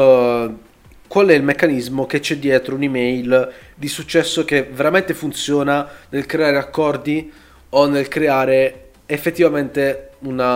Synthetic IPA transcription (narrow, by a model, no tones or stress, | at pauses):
kwalɛilmekːanizmok̟et͡ʃːɛd̪ːjɛːt̪ɾounimɛjld̪isut͡ʃːɛsːok̟eveɾament̪efunt̪sjɔːnanelkɾeaːɾeakːɔrd̪i | onːelkɾeaːɾe | efːet̪ːivament̪eun